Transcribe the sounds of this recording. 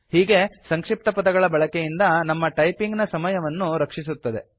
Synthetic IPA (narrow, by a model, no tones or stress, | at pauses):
hiːɡe̞sɐŋkʂip̚t̪ɐpɐd̪ɐɡɐɭɐbɐɭɐkejind̪ɐnɐmːɐʈɐjpiŋɡnɐsɐmɐjɐʋɐnːuɾɐkʂis̬ut̪ːɐd̪e̞̰